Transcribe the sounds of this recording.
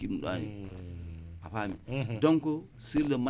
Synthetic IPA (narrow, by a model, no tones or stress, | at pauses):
iɗɗa̰nḭ | a̰pamḭdoŋko | silema